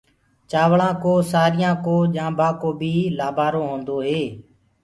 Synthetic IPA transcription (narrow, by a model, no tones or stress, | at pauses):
t͡ʃaːʋɭãːkoːsaːɾɪjãːkoːʄãːbʱãːkoːbʱiːlaːbaːɾoːɦõːnd̪oːɦeː